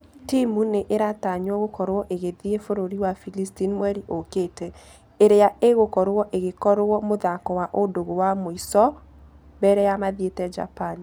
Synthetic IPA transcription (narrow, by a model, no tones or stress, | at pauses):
timuneʔeɾataɲwɔɣokɔɾowɔʔeɣeðiefoɾoɾiwafilistinmwɛɾiʔoketɛ | eɾeaʔeɣokɔɾwɔʔeɣekɔɾowɔmoðakɔwaʔodoɣowamoisɔ | bɛɾɛjamaðietɛd͡ʒa̰pan